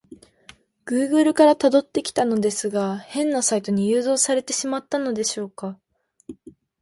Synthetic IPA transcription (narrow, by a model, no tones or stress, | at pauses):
ɡ̥ɯ̟ːɡɯ̟ɾɯ̟kaɾat̪ad̪o̞t̪ːe̞kʲi̥t̪ano̞d̪e̞sɨɡahẽ̞nːasait̪o̞ɲ̟ijɯːzo̞ːsaɾe̞t̪e̞ɕimat̪ːano̞d̪e̞ɕo̞ːka